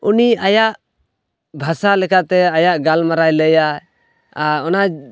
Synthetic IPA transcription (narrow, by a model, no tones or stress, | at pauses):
uniajaʔ | bʱasalɛkat̪ɛajaʔɡalmaɾajləja | aɾɔna